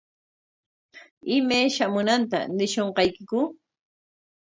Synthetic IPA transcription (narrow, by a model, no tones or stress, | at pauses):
ɪmajʃamʊnant̪a̰nɪʃoɴqɑjkɪkʊ